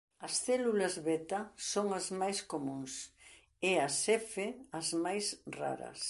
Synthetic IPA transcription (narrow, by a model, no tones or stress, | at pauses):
ɐsθɛlulɐzβɛt̪ɐsoŋɐzmajskomũŋs | ɛɐsɛfeɐzmajsra̰ɾɐ̰s